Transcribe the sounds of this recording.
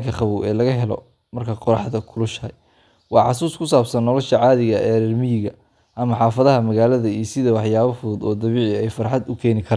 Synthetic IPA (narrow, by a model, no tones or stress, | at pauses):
kʰɐχɑβuːɛːlɐɣɐɦɛlɔ̰ | mɐrkʰɐqɔɾɑħðɐkʰʊlʊʃɐj | wɑːʕɑs̬uːskʰʊsaːbsɐnːɔlɔʃɐʕɑːðɪɣɐʔɛːɾɛrmɪjɪɣɐ | ʔɐmɐħɑːfɐðɐɦɐmɐɣaːlɐðɐiːsɪðɐwɑħjaːβɐfʊðʊd̪ɔːd̪ɐβiːʕɪɛjfɐɾħɑd̪ʊkʰɛːnɪkʰɐɾa